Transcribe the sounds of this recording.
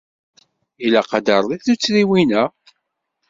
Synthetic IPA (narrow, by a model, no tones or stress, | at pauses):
ilæqɑd̪ɑɾˤðˤiθut͡sːɾiwinæ